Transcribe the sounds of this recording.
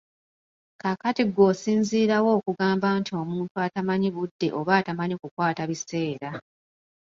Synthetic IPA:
kakatiɡo̞ːsiːnziːɾawo̞ːkuɡaːmbantio̞muːntuatamaɲiβudːe̞̰ʔo̞βaːtamaɲikukwaːtaβise̞ːɾa

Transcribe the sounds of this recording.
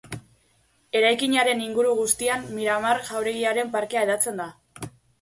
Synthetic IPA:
e̞ɾajkiɲaɾe̞niŋɡuɾuɣ̞ust̪iamːiɾamaɾʝawɾe̞ɣ̞iaɾe̞mpaɾke̞aeðat͡se̞nd̪a

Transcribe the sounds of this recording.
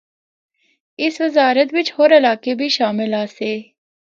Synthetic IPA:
ɪsʋəzaːɾət̪ʋɪt͡ʃhoːɾɐlaːkebʱiːʃaːmɪlaːseː

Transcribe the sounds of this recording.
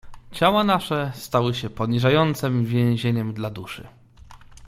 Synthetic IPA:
t͡ɕawanaʂɛst̪awɘɕɛpɔɲiʐajɔnt̪sɛmvʲjɛ̃w̃ʑeɲɛmd̪lad̪uʂɘ̰

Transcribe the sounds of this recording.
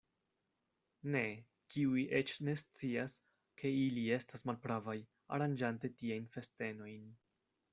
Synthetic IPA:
ne̞ | kiujʔe̞t͡ʃne̞st͡sias | kʰe̞ilie̞stasmalpɾavaj | a̰ɾand͡ʒante̞tiajnfe̞ste̞no̞jn

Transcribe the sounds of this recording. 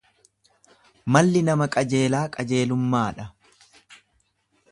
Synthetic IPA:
mɐlːɪnɐmɐkʼɐd͡ʒe̞ːlaːkʼɐd͡ʒe̞ːlʊmːaːᶑɐ

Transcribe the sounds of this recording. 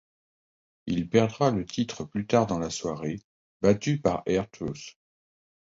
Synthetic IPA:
ilpɛʁd̪ʁalət̪ʰit̪χəplyt̪aʁd̪ɑ̃laswaʁe | bat̪ypaʁɛʁt̪ʰos

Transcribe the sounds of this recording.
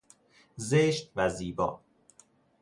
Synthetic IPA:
zeʃt̪væziːbɒ̰ː

